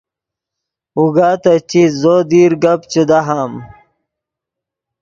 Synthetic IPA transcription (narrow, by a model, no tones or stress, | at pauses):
uɡaːt̪ɐt͡ɕizoːd̪iːɾɡɐpt͡ɕud̪aɦaːm